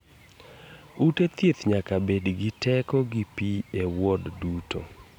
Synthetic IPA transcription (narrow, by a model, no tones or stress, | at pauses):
utet̪jet̪ɲakabedɡɪtɛkɔɡipiewɔdduto̰